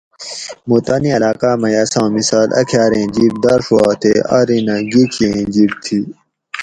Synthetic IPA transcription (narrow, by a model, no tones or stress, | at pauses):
mut̪aːniɐlaːkaːmɐjaːsãːmisaːlʔɐ̰kʰjaːɾẽːd͡ʑiɽ̚d̪ɐɾʂwaːt̪ʰeɐ̰ɾinãɡikʰiẽːd͡ʑiɽ̚t̪ʰi